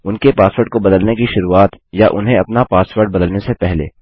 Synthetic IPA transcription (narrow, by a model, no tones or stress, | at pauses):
ʊnkepaːsʋəɾɖ̚kobɐd̪əlnekiʃʊɾuːaːt̪jaʔʊ̰nɦẽɐpnapaːsʋəɾɖbɐd̪əlnesepɛɦlḛː